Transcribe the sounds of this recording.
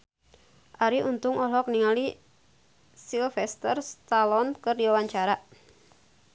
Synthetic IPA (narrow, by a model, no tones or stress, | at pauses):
ʔaɾiunt̪ʊŋɔlɔk̚niŋali | silfɛst̪ərst̪alɔnkərdiwawaɲt͡ʃaɾa